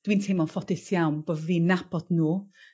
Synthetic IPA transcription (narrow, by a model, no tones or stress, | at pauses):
d̥wiːntʰejmɔnˠfɔdɪsjawnb̥oðviːnːab̥ɔd̥nuː